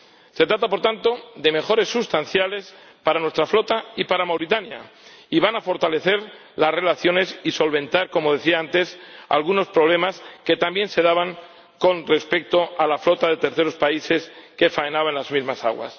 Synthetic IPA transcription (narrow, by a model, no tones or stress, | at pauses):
se̞t̪ɾat̪apo̞ɾt̪ant̪o̞ðe̞me̞xo̞ɾe̞sːust̪an̟θjale̞s | paɾanwe̞st̪ɾaflo̞t̪aipaɾamawɾit̪anjaiβanafo̞ɾt̪ale̞θe̞ɾ | lasre̞laθjo̞ne̞siso̞lβẽ̞nt̪aɾko̞mo̞ð̞e̞θiaant̪e̞sa̰lɣuno̞spɾo̞β̞le̞maske̞t̪ambje̞nse̞ð̞aβaŋ | ko̞nre̞spe̞k̚t̪o̞alaflo̞t̪aðe̞t̪eɾθe̞ɾo̞spaise̞ske̞faenaβanlazmizmasa̰ɣwa̰s